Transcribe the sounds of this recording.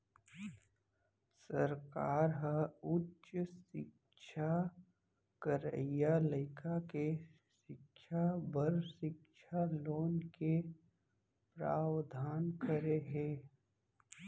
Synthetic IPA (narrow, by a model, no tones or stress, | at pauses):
səɾkaːɾɦəʊtʃəsɪ̰k | ʃʰa | kəɾə̰ijaləɪkʰake | ʃɪkʃʰabəɾʃɪkʃʰaloːnke | pɾa̰ːwd̪ʱaːnkəɾeɦẽː